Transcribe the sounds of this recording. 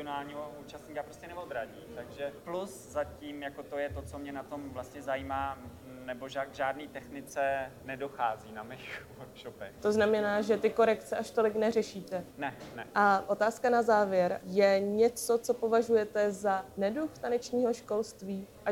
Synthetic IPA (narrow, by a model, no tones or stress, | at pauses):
onaːlɲiɦouːt͡ʃast̪ɲiːkapɾoscɛnɛvod̪ɾaɟiːt̪aɡʒɛplus | zaciːmjakot̪o̞jɛt̪o̞t͡so̞mɲɛnat̪o̞mvlast̪ɲɛzajiːmaː | nɛboʒaɡʒaːdniːt̪ɛxnɪt͡sɛnɛdo̞xaːziːnamɛxvoɾkʃopɛxt̪o̞znamɛnaːʒɛt̪ɪko̞ɾɛkt͡sɛʔaʃt̪o̞lɪknɛrɛʃiːt̪ɛnɛnɛ̰ʔaʔo̞t̪aːskanazaːvjɛɾjɛɲɛt͡so̞t͡so̞po̞vaʒujɛt̪ɛzanɛduxt̪anɛt͡ʃɲiːɦo̞ʃko̞lst̪viːʔa